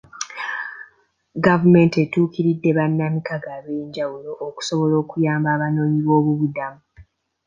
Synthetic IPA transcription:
ɡavume̞nte̞tuːkiɾidːe̞βanːamikaɡaːβeːɲɟawulo̞ʔːku̥so̞βo̞lo̞ːkujaːmbaːβano̞ːɲiβo̞ːβuβudamu

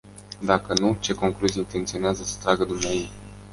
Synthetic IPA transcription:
d̪akənut͡ʃe̞ko̞ŋkluzijeint̪e̞nt̪sio̞neazəsə̥t̪ɾaɡəd̪umneajej

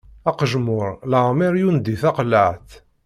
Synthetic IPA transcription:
æqʒmʊɾləʁmiɾjund̪iθɑqləʕθ

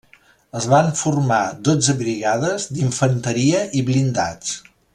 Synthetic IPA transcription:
əzβaɱfurmad̪od͡zəβɾiɣaðəzd̪iɱfənt̪əɾiəʔiβlind̪at͡s

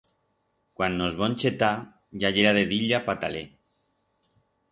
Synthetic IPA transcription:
kwanːozβont͡ʃet̪a | ʝaʝeɾaðeðiʎapat̪ale

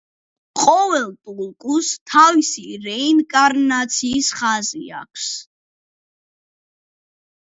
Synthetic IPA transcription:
qʼɔvɛlt̪ʼulˠkʼust̪ʰavisiɾɛinkʼaɾnat̪sʰiːsχazḭa̰k̚ʰs

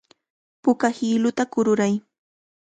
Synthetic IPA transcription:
pʊkahiːlʊt̪akʊɾʊɾaj

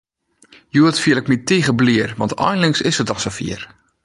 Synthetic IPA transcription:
juətfiəɪk̚mitiɣəbliərʋɑ̰ntɔ̰jnlɪŋsɪsətɔsəfḭər

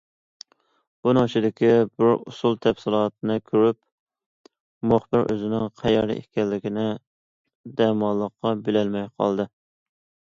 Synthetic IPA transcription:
b̥unɨŋt͡ʃʰɪd̪ɪkʲibɪɾṵsulˠt̪ʰɛfsɪlˠɑt̪̚nɨkʲʰøɾyp | mʊχbɪɾʔø̰zɪnɪŋqʰæjɑɾlɪ̰ʔḛkʲɛlːɪkʲinɪ | d̪ɛmɑlˠːəqːɑbɪlɛlmɛjqʰɑ̰lˠd̪ɨ

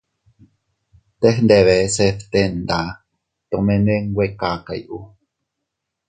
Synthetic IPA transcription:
t̪exnd̪eβeseft̪end̪a | t̪omenweŋwekakaḭʔu

